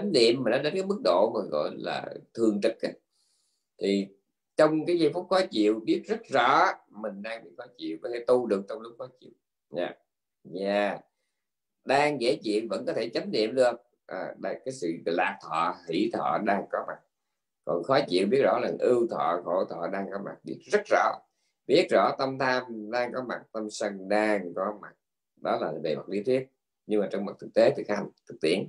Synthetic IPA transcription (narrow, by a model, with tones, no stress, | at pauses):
a˨˦ŋ̟nḭ˧˨əmːiː˨˩nɗɔ˨˦ɗe˨˦nkaː˨˦mɨ˦˥k̚ɗo̰˧˨maː˨˩ɣɔ̰˧˨jla̰ː˨˩t̪ʰɨ˨˩əŋt͡ɕə˨˦˩t̚ki˦ | t̪ʰi˨˩ | t͡ɕɔ˧wŋ͡mkaː˨˦jzi˧˥˨nfʊ˦˥p̚xɔ˨˦t͡ɕḭ˧˨əwɓi˦˥ət̚zə˦˥t̚zɔ̰˧˥˦mï˨˩ŋ̟ɗaː˧ŋɓḭ˧˨xɔ˨˦t͡ɕḭ˧˨əwkɔ˨˩t̪ʰe˧˩˦t̪u˧ɗɨ˨˩ək̚t͡ɕɔ˧wŋ͡mlʊ˦˥k͡p̚xɔ˨˦t͡ɕḭ˧˨əw | ɲa̰ː˧˨˩ | zaː˨˩ | ɗaː˧ŋɣe˧˩t͡ɕḭ˧˨ənvə̰˧˥nkɔ˨˦˥t̪ʰe˧˩t͡ɕa˨˦jŋ̟nḭ˧˨əmɗɨ˧ə˧ | ʔːɗa˧˩kaː˨˦jsɨ̰˧˨laː˨˩k̚t̪ʰɔ̰˧˨hḭ˧˩˥t̪ʰɔ̰˧˨ɗaː˧ŋkɔ˨˦ma˨˩t̚ | kɔ˨˩nxɔ˨˦t͡ɕḭ˧˨əwɓi˦˥ət̚zɔ̰˧˥laː˨˩ŋʔɨ˧wt̪ʰɔ̰ː˧˨ɣo̰˧˩t̪ʰɔ̰˧˨ɗaː˧ŋkɔ˨˦ma̰˨˩t̚ɗi˦˥ək̚zə˦˥t̚zɔ̰˧˥ | ɓi˦˥ət̚zɔ̰˧˥t̪ə˧mt̪ʰaː˧mɗaː˧ŋkɔ˨˦ma˨˩t̚t̪ə˧msə˧ŋɗaː˧ŋkɔ˨˦ma˨˩t̚ | ɗɔ˨˦laː˨˩ve˨˩mə˨˩k̚li˧ət̪ʰwi˦˥ət̚ | ɲɨ˧ŋmaː˨˩t͡ɕɔ˧wŋ͡mm˨˩t̚t̪ʰɨ˨˩k̚t̪e˨˦t̪ʰɨ˨˩k̚a˧˩ŋt̪ʰɨ˨˩k̚t̪ḭ˧˩ən